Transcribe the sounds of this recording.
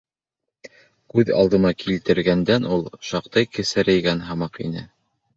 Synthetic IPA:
kʉðɑ̰lˠd̪ɤ̆mɑkʰilt̪ɘ̆ɾɡænd̪ænulˠʃɑqt̪ɤjkɘ̆sæɾɘ̆jɡænɦɑmɑqḭnɘ

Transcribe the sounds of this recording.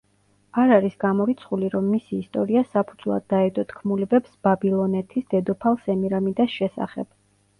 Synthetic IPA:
aɾaɾisɡ̥amɔɾit̪sʰχuliɾɔmːisiːst̪ʼɔɾiasapʰud̪zvlˠa̰d̪ːaɛd̪ʼɔt̪ʰkʰmulɛbɛpsb̥abilˠɔnɛt̪ʰisd̪̥ɛd̪ɔpʰalˠsɛmiɾamid̪asʃɛsa̰χɛ̰b̥

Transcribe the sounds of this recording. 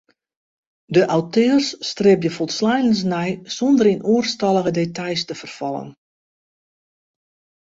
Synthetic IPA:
dəʔawtøərsːtrɪbjəfɔlˠtslɛjləns̬nɛjsɔndərinuərstɑlˠəɣədetajstəfərfɔlˠə̰n

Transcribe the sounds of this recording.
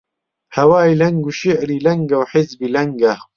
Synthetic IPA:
hɐwaːjlɐŋɡuʃiʕɾiːlɐŋɡɐwħɪzbiːlɐŋɡɐ

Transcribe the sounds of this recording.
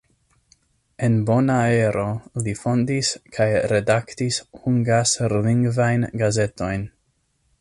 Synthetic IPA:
e̞nbo̞nae̞ɾo̞lifo̞ndiskʰajɾe̞daktishuŋɡasliŋɡvajnɡaze̞to̞jn

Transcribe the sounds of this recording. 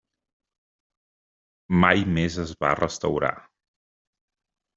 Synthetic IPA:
majmezəzβa̰rəst̪əwɾa̰

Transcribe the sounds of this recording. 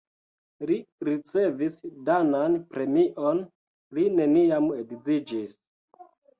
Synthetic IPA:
liɾit͡se̞visdananpɾe̞miʔon | line̞niamedizid͡ʒis

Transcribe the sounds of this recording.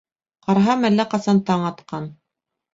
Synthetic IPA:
qɑɾɦɑmælːæqɑsɑnt̪ɑɴɑt̪qɑn

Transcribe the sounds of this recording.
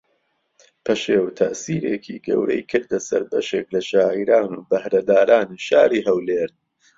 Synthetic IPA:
pʰɐʃeːwt̪ʰɐʔsiːɾeːkʰiːɡɐ̰wɾɐ̰jkʰɨɾd̪ɐsɐ̰ɾbɐ̰ʃeːklɐʃaːʕiɾaːnuːbɐhɾɐd̪aːɾaːniʃaːɾiːɦɐwleːɾ

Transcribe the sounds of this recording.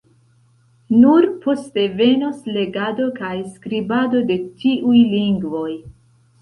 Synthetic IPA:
nuɾpo̞ste̞ve̞nosle̞ɡado̞kajskɾibado̞de̞tiʔujliŋɡvo̞j

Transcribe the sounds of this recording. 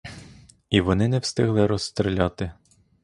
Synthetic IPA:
iʋɔnɪnɛwst̪ɪɦlˠɪɾɔst̪ɾelʲɑt̪ɪ

